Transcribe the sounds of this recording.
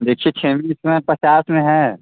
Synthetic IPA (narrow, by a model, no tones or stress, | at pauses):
d̪eːkʰiet͡ʃʰẽːmiɪsmə̃pɾɐt͡ʃaːsmẽɦɛ̃ː